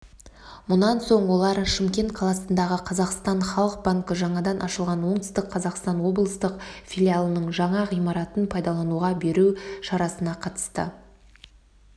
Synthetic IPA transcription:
mʊnɑnso̞ɴwo̞lˠɑɾʃɪmkʲe̞nt̪̚qʰɑlˠɑsənd̪ɑʁəqʰɑzɑqst̪ɑnχɑlˠəq̚baŋkəʒɑɴɑd̪ɑnʔɑʃəlˠʁɑnwo̞ɴt̪ə̥st̪əqqʰːɑzɑqst̪ɑnwo̞blˠəst̪əqfʲilʲialˠənəɴʒɑɴɑʁijmɑɾɑt̪ənpʰɑjd̪ɑlˠɑnuʁɑbe̞ɾuʃɑɾɑsənɑqʰɑt̪ə̥st̪ə̰

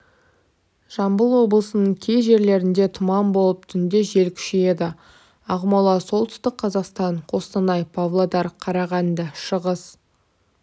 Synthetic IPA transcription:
ʒ̥ɑmbəlˠwo̞blˠəsənəɴkʲʰe̞jʒe̞ɾle̞ɾɪnd̪e̞t̪ʰʊmɑmbo̞lˠəp̚t̪ʰʏnd̪e̞ʒe̞lkʲʰʏ̥ʃee̞d̪ɪ | ɑʁmɑlˠɑsolˠt̪ʏ̥st̪ɪk̚qʰɑzɑqst̪ɑɴqʰo̞st̪ɑnɑjpʰavlˠod̪ɑɾqʰɑɾɑʁɑnd̪ɑʃəʁəz̥

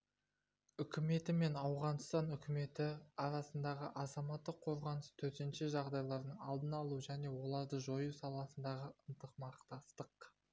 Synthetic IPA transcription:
ʏkʲɪme̞t̪ɪme̞nɑwʁɑnst̪ɑnʏkʲʰɪme̞t̪ɪɑɾɑsənd̪ɑʁəʔɑzɑmɑt̪ːəqʰo̞ɾʁɑnəst̪ʰɵɾt̪enʃeʒɑʁd̪ɑjlˠɑɾd̪əɴɑlˠd̪ənɑlˠuʒæne̞wo̞lˠɑɾd̪əʒo̞jusɑlˠɑsənd̪ɑʁəənt̪əqmɑqt̪ɑst̪əq

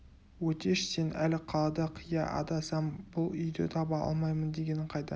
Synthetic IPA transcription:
wɵt̪e̞ʃse̞nʔælɪqʰɑlˠɑd̪ɑqʰijɑʔɑ̰d̪ɑsɑmbʊlˠʏjd̪e̞̰t̪ʰɑbɑɑ̰lˠmɑjmənd̪e̞ɡʲe̞nɪɴqʰɑjd̪ɑ

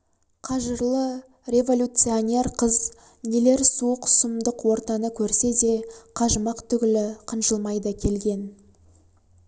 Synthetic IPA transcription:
qʰɑʒəɾlˠə | ɾʲe̞vo̞lʲut̪sɨo̞nʲe̞ɾqʰəz | nele̞ɾsuqʰʊ̥səmd̪əqwo̞ɾt̪ɑnəkʲʰɵɾse̞d̪e̞qʰɑʒəmɑqt̪ʰʏɡʲɪlɪqʰənʒəlˠmɑjd̪əkʲʰe̞lɡʲe̞n

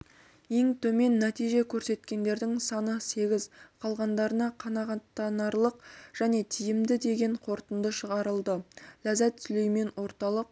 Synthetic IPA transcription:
e̞ŋt̪ʰɵme̞nːæt̪ijʒe̞kʲʰɵɾse̞t̪kʲe̞nd̪e̞ɾd̪ɪŋsɑnəse̞ɡʲɪzqʰɑlˠʁɑnd̪ɑɾənɑqʰɑnɑʁɑt̪ːɑnɑɾlˠəqʒ̥æne̞t̪ʰijɪmd̪ɪd̪e̞ɡʲe̞ɴqʰo̞ɾt̪ənd̪əʃəʁɑɾəlˠd̪əlæzæt̪ːsɪlejme̞nwo̞ɾt̪ɑlˠəq̚

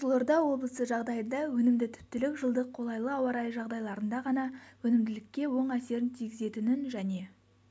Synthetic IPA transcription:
slˠord̪ɑwo̞blˠəsəʒɑʁd̪ɑjənd̪ɑwɵnɪmd̪ɪt̪ʰʏ̥p̚t̪ɪlɪkʒəlˠd̪əqʰːo̞lˠɑjlˠəɑwɑɾɑjʒɑʁd̪ɑjlˠɑɾənd̪ɑʁɑnɑwɵnɪmd̪ɪlɪkʲːe̞wo̞ɴæse̞ɾɪnt̪ʰijɡʲɪze̞t̪ɪnɪnʒæne̞

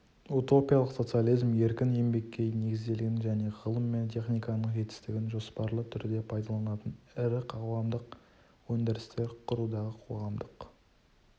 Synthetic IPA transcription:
ut̪o̞pijalˠəqsot̪sɨjalˠijzmje̞ɾkʲɪne̞mbe̞kʲːe̞jne̞ɡʲɪzd̪e̞lɪɡʲɪnʒæne̞ʁəlˠəmːe̞nt̪ʰe̞χnijkɑnəɴʒe̞t̪ɪ̥st̪ɪɡʲɪnʒo̞spɑɾlˠət̪ʰʏɾd̪e̞pʰɑjd̪ɑlˠɑnɑt̪ənɪɾɪqɑwɑmd̪əq | wɵnd̪eɾɪst̪e̞ɾqʰʊɾud̪ɑʁəqʰo̞ʁɑmd̪əq

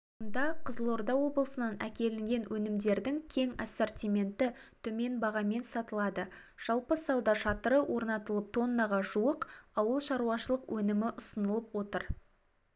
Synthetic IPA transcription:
ond̪ɑqʰəzəlˠo̞ɾd̪ɑwo̞blˠəsənɑnækʲe̞lɪŋɡʲe̞nwʔɵnɪmd̪e̞ɾd̪ɪŋkʲʰe̞ŋɑ̰sort̪ʲijme̞nt̪ɪt̪ʰɵme̞nbɑʁɑme̞nsɑt̪əlˠɑd̪ə | ʒ̥ɑlˠpəsɑwd̪ɑʃɑt̪əɾəwʔo̞ɾnɑt̪əlˠəp̚t̪ʰo̞nːɑʁɑʒuəqɑwəlˠʃɑɾuɑʃəlˠəqwʔɵnɪmɪʔʊsənəlˠəpwo̞t̪əɾ

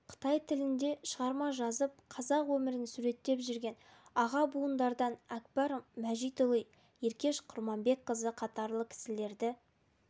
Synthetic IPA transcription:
qʰə̥t̪ɑjt̪ʰɪlɪnd̪e̞ʃəʁɑɾmɑʒɑzəp̚qʰɑzɑqwɵmɪɾɪnsuɾe̞t̪ːe̞pʒʏɾɡʲe̞n | ɑʁɑbuənd̪ɑɾd̪ɑnækbɑɾmæʒijt̪olˠij | je̞ɾkʲe̞ʃqʰʊɾmɑmbe̞k̚qəzəqʰɑt̪ɑɾlˠəkʲʰɪ̥sɪle̞ɾd̪ɪ

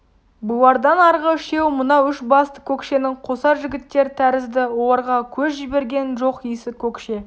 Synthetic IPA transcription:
bulˠɑɾd̪ɑnɑɾʁəʃe̞wmʊnɑwʏʃbɑst̪ə̥kʲʰɵkʃe̞nɪŋqʰo̞sɑɾʒɪɡʲɪt̪ːe̞ɾɪt̪ʰæɾɪzd̪ɪwo̞lˠɑɾʁɑkʲʰɵzʒibe̞ɾɡʲe̞nʒo̞qijsɪkʲʰɵkʃe̞

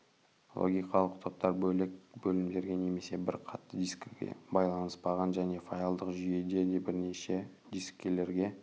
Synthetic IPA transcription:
lˠo̰ɡʲijqɑlˠəqt̪ʰo̞p̚t̪ɑɾbɵlɪkbɵlɪmd̪e̞ɾɡʲe̞ne̞me̞se̞bɪɾqʰɑt̪ːəd̪iskʲeɡʲḛbɑjlˠɑnəspɑʁɑnʒæne̞fajalˠd̪əqʒʏje̞d̪e̞d̪e̞bɪɾne̞ʃe̞ | d̪iskʲːe̞le̞ɾɡʲe̞

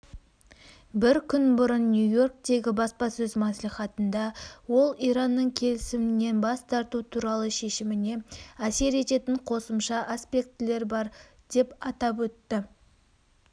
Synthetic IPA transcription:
bɪɾkʲʰʏnbʊɾənːjujo̞rk̚t̪e̞ɡʲɪbɑspɑsɵzmɑsliχɑt̪ənd̪ɑwo̞lˠiɾɑnːəɴkʲʰe̞lɪsɪmɪne̞nbɑst̪ʰɑɾt̪ut̪ʰuɾɑlˠəʃe̞ʃɪmɪne̞æse̞ɾe̞t̪e̞t̪ɪɴqʰo̞səmʃɑʔaspʲe̞k̚t̪ɪle̞ɾbɑɾ | d̪̥e̞pɑt̪ɑp̬wɵt̪ːɪ

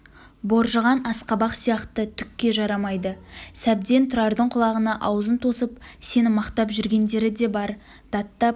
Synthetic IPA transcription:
bo̞ɾʒəʁɑnɑsqɑbɑqsijɑqt̪ət̪ʰʏkʲːe̞ʒɑɾɑmɑjd̪əsæb̚d̪e̞nt̪ʰʊɾɑɾd̪əɴqʰʊlˠɑʁənɑʔɑwzənt̪ʰo̞səpse̞nɪmɑqt̪ɑpʒʏɾɡʲe̞nd̪e̞ɾɪd̪e̞bɑɾ | d̪̥ɑt̪ːɑp̚

